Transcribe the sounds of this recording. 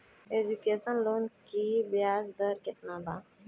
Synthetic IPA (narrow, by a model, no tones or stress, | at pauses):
ed͡ʒukesənlonkibjaːzd̪əɾkɪt̪̚nab̪a